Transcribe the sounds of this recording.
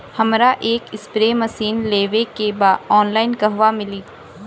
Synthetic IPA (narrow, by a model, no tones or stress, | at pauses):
hɐmɾaʔeːkɪspɾeːmɐsiːnleːʋekebaːdɔːnlaːɪnkɐɦʋamɪliː